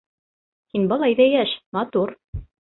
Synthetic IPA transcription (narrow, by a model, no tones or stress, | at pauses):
hinbɑlˠɑjðæjæʃmɑt̪uɾ